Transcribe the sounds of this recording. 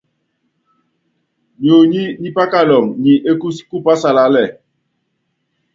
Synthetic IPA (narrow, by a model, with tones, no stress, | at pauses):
ɲo˨ɲi˦ni˦pa˦ka˦˨lɔ˨ŋɲi˨ʔe˦ku˦si̥˦ku˦pa˦sa˨la˨˦lɛ˨